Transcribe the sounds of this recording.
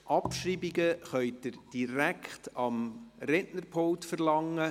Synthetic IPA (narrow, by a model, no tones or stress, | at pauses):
ʔɑpʃriːbiɡəχœʏd̥əɾd̥iɾækχtɑmɾɛʔnəɾpʰowtfəɾlɑŋːə